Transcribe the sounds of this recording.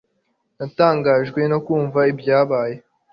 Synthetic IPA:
nataːŋɡaːʒɡwe̞no̞kuːɱvaibjaːβaːje̞

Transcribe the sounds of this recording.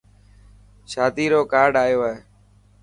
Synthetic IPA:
ʃaːd̪iːɾoːkaːɾɖaːjoːeː

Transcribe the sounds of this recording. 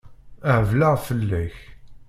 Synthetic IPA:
əʕəvlaʁfəlːæç

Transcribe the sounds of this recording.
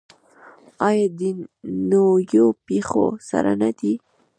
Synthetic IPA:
ɑjɑd̪inojopexo̰sa̰ɾa̰nad̪i

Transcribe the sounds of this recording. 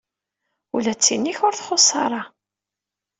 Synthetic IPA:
ulæt͡sːinːiçʊɾθχosˤːɑ̰ɾˤɑ

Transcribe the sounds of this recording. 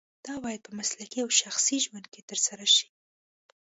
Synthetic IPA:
d̪̥ɑbɑjad̪̚pəmaslakiawʃaxsiʒwand̪̚ket̪əɾsaɾaʃi̥

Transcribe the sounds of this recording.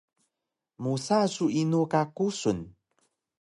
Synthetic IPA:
musasuinukakusun

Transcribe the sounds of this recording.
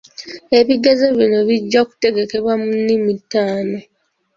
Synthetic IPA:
e̞βiɡezeβjino̞βiɟːaku̥te̞ɡe̞ke̞βwamunːimitaːno̞

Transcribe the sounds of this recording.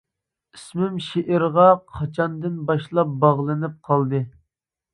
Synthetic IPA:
ismɪmʃeʔɪɾʁɑqʰɑt͡ʃʰɑnd̪ɨnbɑʃlˠɑp̚bɑʁlˠɨnɨp̚qʰɑlˠd̪ɨ

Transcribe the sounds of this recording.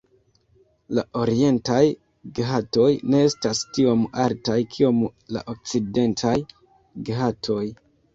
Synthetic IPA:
laʔo̞ɾie̞ntaj | ɡɦato̞jne̞estastio̞maltajkʰio̞mla̰ʔok̚t͡side̞ntʰaj | ɡɦatʰo̞j

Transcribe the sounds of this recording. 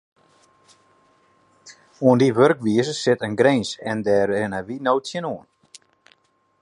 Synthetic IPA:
ɔnd̪ivœɾkviːsəsɪt̪ənɡɾejnsɛnd̪ɛɾɪnavinowt̪çɪnɔn

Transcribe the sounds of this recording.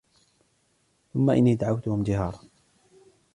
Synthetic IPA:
θʊmːaʔɪ̰nːiːd̪aʕawt̪ʊhʊmd͡ʒ̪ɪɦɑ̰ːɾˤɑ

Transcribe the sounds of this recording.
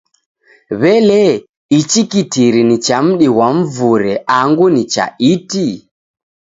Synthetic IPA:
βɛlɛ | it͡ʃikitiɾinit͡ʃam̩ɗiwam̩vuɾɛaŋɡunit͡ʃa̰iti

